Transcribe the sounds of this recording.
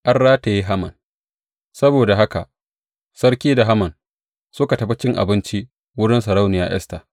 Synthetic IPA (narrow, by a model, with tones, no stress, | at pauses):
ʔɐ˦rːaː˦ta˨ji˦ɦa˦mɐ̰˨n | sɐ˦boː˨da˨ɦa˦ka̰˨ʔ | sɐ˦ɽkʲiː˦da˨ɦa˦mɐ˨n | sʊ˦ka˨tɐ˨ɸi˦t͡ʃɪ˦ŋʔa̰˨bɪ˦nt͡ʃi˦ʔ | wʊ˦ɽɪ˦nsɐ˨ɾa˦wnɪ˨ja̰ː˨ʔɛ̰˦sta̰ː˨